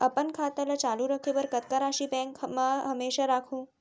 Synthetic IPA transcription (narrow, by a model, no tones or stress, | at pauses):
əpənkʰat̪ələt͡ʃaluɾəkʰebəɾkət̪kaɾaʃibɛ̃ŋkmãɦəmeːʃaɾakʰũː